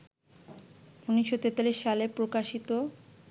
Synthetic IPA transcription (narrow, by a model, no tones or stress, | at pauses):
unːiʃːot̪et̪aliʃːalepɾokaʃit̪o